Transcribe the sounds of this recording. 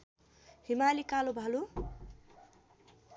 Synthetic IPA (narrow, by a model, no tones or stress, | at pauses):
himalikalobʱalu